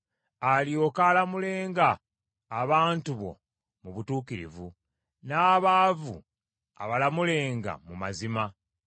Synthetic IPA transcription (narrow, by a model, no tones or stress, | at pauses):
alio̞kaːlamule̞ːŋɡaː | βaːntuβo̞̰ | muβutuːkiɾḭvu | naːβaːvṵ | a̰βalamule̞ːŋɡa̰mumazima